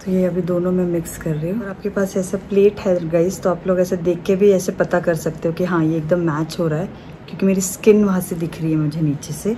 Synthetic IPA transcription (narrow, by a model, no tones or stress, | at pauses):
t̪ojeɐbʱid̪oːnõmɛ̃mɪkskɐɾːəiɦũɾaːp̚kepaːsɛːsapleːʈɦɛɡɐist̪oaːploːɡɛːsed̪eːkʰːebʱiɛːsepɐt̪akɐɾsɐk̚t̪eɦũkiɦãjeːk̚d̪əmːɛːt͡ʃɦoːɾaɦɛː | kjõːkimeːɾiskɪnʋɐɦãsed̪ɪkʰɾɐɦiɦɛmʊd͡ʒʱeniːt͡ʃeseː